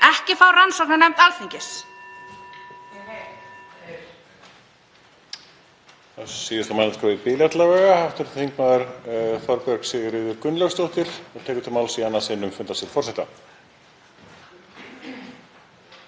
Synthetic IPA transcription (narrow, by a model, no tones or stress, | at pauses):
ɛhcɪfawransɔknanɛmt̪alθiɲcɪs | asiːðɪst̪amanaskɔðɪpɪːljat̪lavɛːɣahaft̪ʏɾθθiŋknaðʏɾθɔɾpjœɾksɪɣɪɾɪːðʏɾkʏnlœwst̪owht̪ɪɾ̥ɔt̪ʰɛːkʏ̥t̪ʰamalsianːasɪnːʏmfʏnt̪ast̪ɪlfɔɾ̥sɛht̪a